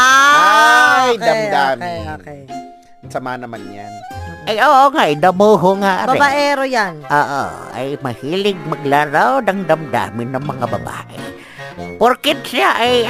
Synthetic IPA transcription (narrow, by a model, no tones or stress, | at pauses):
a | jd̪ɐmdd̪aːmɪ | sɐmaːnɐmanjanajʔoːʔoŋaʔjd̪ɐmoːɦoŋaʔabɐɛbaʔɛɾojanʔoːʔo̰ʔa̰jmɐhiːlɪɡ̚mɐɡlaɾawd̪ɐŋd̪amd̪a̰ːmɪnːɐŋmɐŋabɐ̰ba̰ːʔɛ̰ | poɾkɪt̪sɪaʔaj